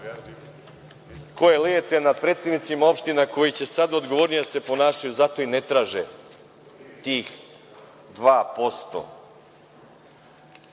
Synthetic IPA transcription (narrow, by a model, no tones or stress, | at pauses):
ko̞jelejet̪enad̪̚pɾeːt̪sed̪nit̪simao̞pʃt̪inako̞jit͡ɕe̞sad̪aod̪ɡoʋo̞ɾnijase̞po̞naːʃajuzat̪o̞inet̪ɾaːʒe | t̪iːx | d̪ʋaːpo̞st̪o̰